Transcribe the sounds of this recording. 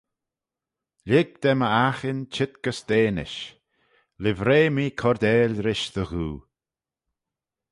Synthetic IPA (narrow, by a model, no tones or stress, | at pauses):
lʲɪɡ̚d̪̥ɛməaxɪnt͡ʃɪt̪̚ɡ̥əsd̪̥eːnɪ̰ʃ | lɪvɾeːmiːkʰɔɾd̪eːlʲɾɪʃðəɣuː